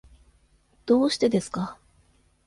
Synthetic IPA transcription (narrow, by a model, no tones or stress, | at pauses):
d̪̥o̞ːɕi̥t̪e̞d̪e̞sɨ̥ka